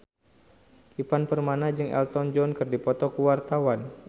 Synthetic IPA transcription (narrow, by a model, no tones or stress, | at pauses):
ipanpərmanad͡ʒɨŋɛ̰lt̪ɔnd͡ʒɔnkɨrdipɔt̪ɔkuwart̪awan